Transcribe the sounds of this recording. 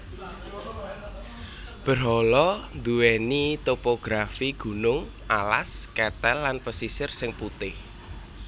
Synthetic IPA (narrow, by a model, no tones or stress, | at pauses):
b̥ə̤ɾɦɔlɔnd̪uwɛnit̪opoɡ̥ɾafiɡ̥ṳnʊŋ | ʔa̰la̰skɛt̪ɛlːanpəsisɪrsɪŋput̪ɪh